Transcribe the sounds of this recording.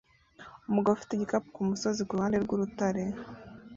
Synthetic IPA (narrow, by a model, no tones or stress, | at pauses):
umuɡawufi̥teɟikapukumuso̞zikuuhaːndeɾɡuɾutaɾe̞